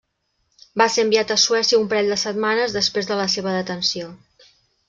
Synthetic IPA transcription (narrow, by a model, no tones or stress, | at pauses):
baseəmbiat̪əsuɛsiəumpəɾɛʎʲd̪əsət̪̚manəzðəspɾezðələseβ̞əðət̪ənsio